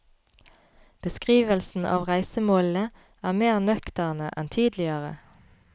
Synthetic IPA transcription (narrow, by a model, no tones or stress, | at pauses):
b̥əskʁiːʋəlsn̩ʔɑ̰ːʋʁæɪsəmoːlə | ʔæːmeːʁnœkt̪æʁnəʔɛnt̪ʰiːd̪lɪəʁə̰